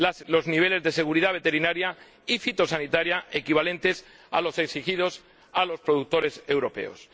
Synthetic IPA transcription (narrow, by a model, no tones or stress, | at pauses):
alo̞zniβ̞e̞le̞zðe̞se̞ɣ̞uɾiðaβ̞e̞t̪e̞ɾinaɾja | ifit̪o̞sanit̪aɾjaʔe̞kiβ̞alẽ̞nt̪e̞s | a̰lo̞se̞ksixið̞o̞s | alo̞spɾo̞ðuk̚t̪o̞ɾe̞se̞wɾo̞pe̞̰o̰s